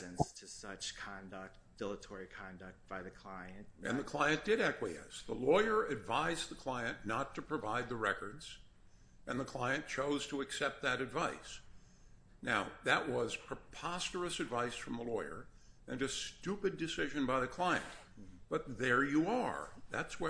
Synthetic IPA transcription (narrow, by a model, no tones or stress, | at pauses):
ɨ̃nstʰɨsʌt͡ʃkʰɑ̃ndək̚t̚d̥ɪlˠətʰɔɹikʰɑ̃ndək̚t̚b̥aɪðɨkʰl̥aɪɨ̃nt̚ʔɨ̰̃nðɨkʰl̥aɪɨ̃nd̥ɨɾækwiɛ̰sðəlɔɪə˞ɨdvaɪzðəkʰl̥aɪɨ̃nːətʰɨpʰɹ̥ɨvaɪd̪̚ðɨɹɛkə˞dz̥ | ʔɨ̃nðəkʰl̥aɪɨ̃nt͡ʃʰoʊz̥tʰəːksɛp̚t̪̚ðɨɾɨdvaɪs | naʊðɨʔ̚wʌz̥pʰɹ̥əpʰɑstə˞ɨsɨdvaɪsfɹʌ̃mðəlɔɪə̰˞ | ɨ̃nɨstʉpɨdɨsɪʒɨ̃nbaɪðɨkʰl̥aɪɨ̰̃nt | b̥ʌt̪̚ðə˞jəə˞ðætswə